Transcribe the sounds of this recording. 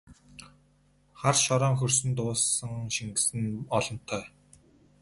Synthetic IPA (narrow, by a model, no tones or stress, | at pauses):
χarʃɔɾɔːŋxɵrsɵ̆nt̪ʊːsə̆ŋʃiŋɡɘ̆sɘ̆nɔɮɞ̆n̥t̪ʰːœː